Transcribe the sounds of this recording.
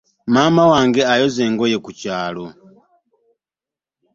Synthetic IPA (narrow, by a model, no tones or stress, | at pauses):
mamawaŋɡeajozeːŋɡojekucaːlo